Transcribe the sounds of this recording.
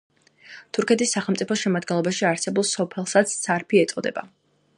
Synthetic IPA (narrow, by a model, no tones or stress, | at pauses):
t̪ʰuɾkʰɛt̪ʰisːaχɛlˠmt̪sʼipʰɔʃɛmad̪ɡɛnlˠɔbaʃiaɾsɛbulˠsɔpʰɛlˠsat̪sʰsʰaɾpʰiɛt̪sʼɔd̪ɛ̰ba̰